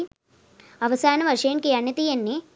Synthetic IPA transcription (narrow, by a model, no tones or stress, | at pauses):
ɐʋɐsaːnɐʋɐʂeːɳkejɐnjɐt̪ijɐnːe